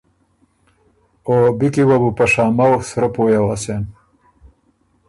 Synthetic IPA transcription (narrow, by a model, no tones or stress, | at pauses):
obikiwabupaʂaːmawsɾapojawasen